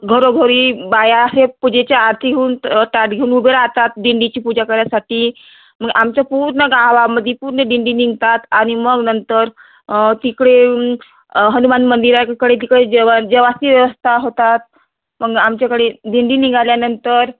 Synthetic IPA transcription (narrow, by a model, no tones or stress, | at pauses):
ɡʱəɾoɡʱəɾiːbajasepud͡ʑet͡ɕaːɾt̪ʰiɡʱeuːnʈaʈɡʱeunubʱeɾaat̪at̪̚ɖiɳɖit͡ɕiːpud͡ʑakəɾjasaʈiː | məɡʔamt͡ɕapuɾɳəɡaʋaməd̪ʱːjepuɾɳəɖiɳɖiniŋɡt̪at̪aɽ̃iməɡnənt̪əɾ | t̪ikɽe | ɦənumanmənd̪iɾakəɽet̪̬ikɽed͡ʑʋad͡ʑəʋast̪iʋjəʋəst̪ʰaɦot̪at̪̚ | məɡamt͡ɕjakəɽeɖiɳɖiniŋɡaljanənt̪əɾ